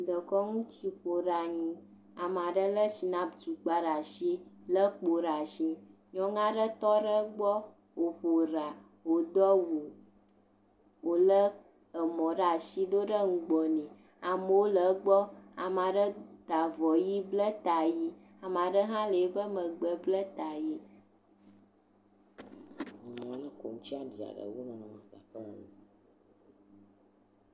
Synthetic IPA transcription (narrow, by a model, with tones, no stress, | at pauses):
d̪ə˨kɔ˦ŋũ˦t͡ɕi˦ɸo˨ɖa˨ɲũ˨ | a˨m˨a˨ɖə˦lə˦ʃi˨nã˦d͡ʒu˨k͡pa˦ɖa˨ʃi˦lə˦k͡po˨ɾa˨ʃi˦ | ɲɔ̃˦ŋã˦ɖə˦t̪ɔ˦ɖə˦ɡ͡bɔ˦ | wo˨ɸo˨ɾa˨ | wo˨d̪ɔ˦wu˨ | wo˨lə˦ | ə˨mɔ̃˨ɖa˨ʃi˦ɖo˦ɖə˦ŋ̩˨ɡ͡bɔ˨nĩ˨ | a˨mə˦wo˦lə˨˦ɡ͡bɔ˦a˨m˨a˨ɖə˦d̪̥a˨vɔ˨ji˦blə˦t̪a˨ji˦ | a˨m˨a˨ɖə˦ɦã˦le˨˦bə˦mə̃˨ɡ͡bə˨blə˦t̪a˨ji˦˨ | m˨ã˨˦nə̃˦ko̰˨ŋ̃˦t͡ʃi˦a˦ɖi˨a̰˨ɖə̰˨wo˦nã˨nã˨mã˨ɡa˨kə˦˨˦